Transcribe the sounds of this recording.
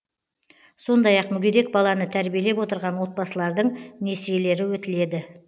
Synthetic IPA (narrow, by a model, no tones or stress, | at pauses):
so̞nd̪ɑjɑqmʏɡʲed̪e̞k̚bɑlˠɑnət̪ʰæɾbije̞le̞pwo̞t̪əɾʁɑnwo̞t̪̚bɑsəlˠɑɾd̪əɴne̞sijele̞ɾɪwɵt̪ɪle̞d̪ɪ